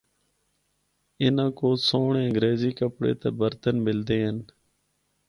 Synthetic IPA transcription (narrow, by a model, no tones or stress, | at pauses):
ɪnãːkoːsoːɳẽːəŋɡɾeːziːkəpɽḛːt̪eːbəɾt̪ənmɪld̪eːɦən